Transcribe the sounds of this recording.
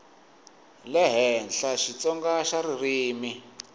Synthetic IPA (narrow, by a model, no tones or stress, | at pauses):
lɛɦɛnɬaʃit͡sɔŋɡaʃaririːmi